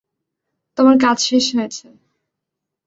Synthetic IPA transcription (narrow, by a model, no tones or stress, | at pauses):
t̪omaɾk̬ad͡ʑʃeʃɦojet͡ɕʰe